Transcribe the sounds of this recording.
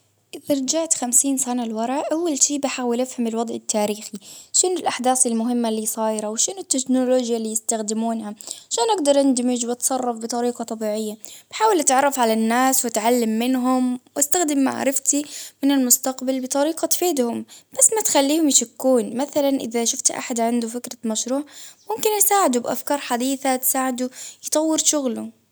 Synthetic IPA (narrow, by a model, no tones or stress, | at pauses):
ʔɪðaɾˤɑd͡ʒaʕt̪xamsiːnsanalwɑɾˤɑʕʔawːalʃiːbɪħaːwɪlʔɪfhamɪlwɑd̪ˤʕɪt̪ːaːɾiːxiʃɪnɪlʔaħd̪aːsɪlmʊɦɪmːalːiːsˤɑːjɾˤawʃɪnʊt̪ːɪknoloːd͡ʒjaliːjɪst̪axd̪ɪmuːnhaʕaʃaːnʔaɡd̪ɑɾˤʔɪnd̪ɪmɪd͡ʒwɪt̪sˤɑrˤːɑfbɨt̪ˤɑɾiːqɑt̪ˤɑbiːʕɪjːab̥ħaːwɪlʔat̪ʕɑrˤːɑfʕalanːaːswat̪ʕalːamːɪnɦʊmwʔast̪axd̪ɪmːa̰ʕa̰ɾˤɪft̪imɪnɪlmʊst̪aqbɪlbɨt̪ˤɑɾiːqɑt̪feːd̪hʊmb̥asːmat̪xalːiːhʊmjɪʃakːuːnmaθalanʔɪ̰ðaʃʊft̪ʔa̰ħad̪ʕand̪ufɪkɾamaʃɾuːʕmʊmkɪnʔɪsaːʕɪd̪ubʔa̰fkɑːɾˤħad̪iːθat̪saːʕɪd̪ujt̪ˤɑwːɪɾʃʊɣlu